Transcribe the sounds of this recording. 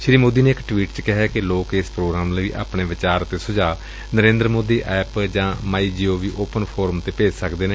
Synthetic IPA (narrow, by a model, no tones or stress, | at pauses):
ʃɾiːmoːd̪iːneːɪkʈʋiːʈt͡ʃkɪɦɛːkɪloːkeːspɾoːɡɾaːmlːḭːʔa̰ːpɳeːʋɪt͡ʃaːɾt̪eːsʊd͡ʒaː | nəɾẽːnd̪ɾəmoːd̪iːʔɛːpd͡ʒãːmaːiːd͡ʒiːoːʋiːʔoːpənpʰoːɾəmt̪eːpeːd͡ʒsəkd̪eːneː